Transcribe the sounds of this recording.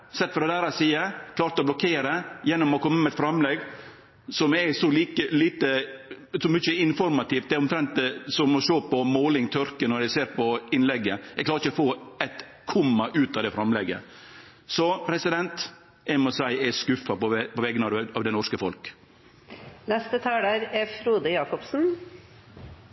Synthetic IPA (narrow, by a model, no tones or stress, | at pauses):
sɛt̪ːfɔɾdɛd̪æːɾɑsiːəkʰlɑːɾt̪əɔblɔkʰeːɾəjɛnːɔmɔkʰɔmːəmɛɛt̪fɾɑmlɛɡ | sɔmɛsɔliːkəliːt̪ə | sɔmʏçəɪnfɔɾmɑt̪iːft̪ɛæɾɔmt̪ʰɾɛnt̪̚sɔmɔʃoːpɔmoːlɪŋt̪ʰœɾkənɔɾæseːɾpʰɔɪnlɛɡːəɛɡklɑːɾɪçəɔfoːɛt̪ | kʰʊmːɑʔʉːt̪ɑd̪ɛfɾɑmlɛɡə̰ | sɔpʰɾɛsɪd̪ɛnt̪ | ɛɪmɔsæɪɛskʉfːɑpɔɛpɔʋɛɡənɑɑʋd̪ɛnɔʂkəfɔlk | nɛst̪ət̪ʰɑːɖæɾɛfɾuːd̪əjɑːkɔpsn̩